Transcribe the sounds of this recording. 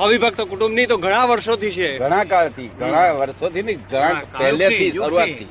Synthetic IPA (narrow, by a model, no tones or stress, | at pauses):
ɦəʋibʱəɡ̚t̪okuʈũmbnit̪oɡʱəɽ̃ãʋəɾʃot̪ʰit͡ʃʰeɡʱəɽ̃ãkalt̪ʰiɡʱəɽ̃ãʋəɾʃot̪iniɡʱəɽ̃ãpɛɦlet̪ʰiʃəɾuat̪ʰːi